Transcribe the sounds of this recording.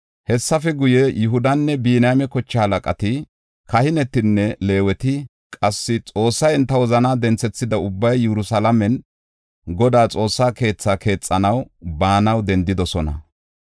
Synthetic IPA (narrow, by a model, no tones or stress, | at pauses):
hɛsːɐfɛɡʊjɛjʔʊɦʊd̪ɐnːɛbiːnamɛkɔt͡ʃːɐɐlɐkʼɐt̪ɪ | kɐhɪnɛt̪ːɪnːɛle̞ːwɛt̪ɪ | kʼɐsːɪt͡sʼo̞ːsːɐjɪnt̪ːɐwɔzɐnaːd̪ɛnt͡sːɛt͡sːɪd̪ɐʊbːɐjːɛɾʊsalɐmɛn | ɡɔd̪aːt͡sʼo̞ːsːaːke̞ːt͡sːaːkʰe̞ːt͡sʼːɐnɐwbaːnɐwd̪ɛnd̪ɪd̪ɔsɔnɐ̰